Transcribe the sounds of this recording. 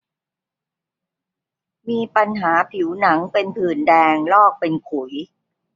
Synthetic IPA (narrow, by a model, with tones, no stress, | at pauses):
miː˧pa˧nɦaː˩˦pʰi˩˦wna˩˦ŋpe˧npʰɯː˨˩ndɛː˧ŋlɔː˥˩k̚pe˧nkʰu˨˩˦j